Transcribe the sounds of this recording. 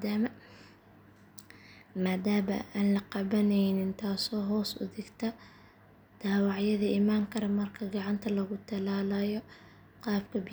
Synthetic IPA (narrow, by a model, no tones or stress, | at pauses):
d̪aːmɐ | maːd̪aːmɐ̰aːnlɐqɑβɐnɛjnɪnt̪ʰaːsɔːɦɔːsʊ̰ðɪɡt̪ʰɐ | d̪̥aːwɑʕjɐðɐɪmaːŋkʰɐɾɐmɐrkʰɐɡɑʕɑnt̪ʰɐlɐɣʊt̪ʰɐlaːlɐjɔ | qɑːbkʰɐb